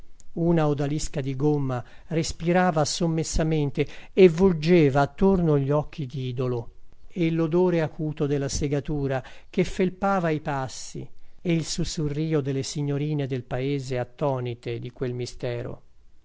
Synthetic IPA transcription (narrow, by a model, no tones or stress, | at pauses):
uːnaod̪aliskad̪iɡomːarespiɾaːvasomːesːament̪eevuld͡ʒeːvaːt̪ːornoʎːɔk̟ːid̪iːd̪oloeilːod̪oːɾeakuːt̪od̪elːaseɡat̪uːɾak̟efːelpaːvaipasːḭeilsusːurːiːod̪elːesiɲːoɾiːned̪elpaeːzeat̪ːɔːnit̪ed̪ikwelmist̪ɛːɾo̰